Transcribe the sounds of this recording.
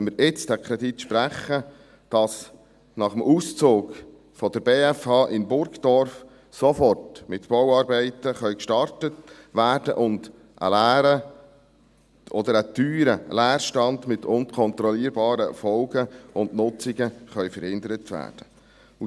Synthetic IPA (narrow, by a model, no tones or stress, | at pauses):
məɾɪt͡sd̥ækʰɾɛd̪it̪ʃpɾæχə | d̥ɑs | nɑχəmʔuːst͡soːɡ | fɔd̥̪əɾbeːæfhɑːʔɪnbʊɾɡd̥̪ɔɾf | sɔfɔrtmɪt̪b̥ɔwɑːɾbɛɪtəχœʏkʃtɑɾtət | ʋæːɾd̥ə̰ʔʊnd | ʔə̰læːɾə | ɔdəɾət̪yːɾəlæːɾʃtɑnd̪mɪt̪ʊnkʰɔnt̪ɾɔliːəɾbɑːɾəfɔlɡəʊndnʊt͡siɡəχœʏfəɾhɪnd̪əɾətʋæ̰ːrd̥ə | u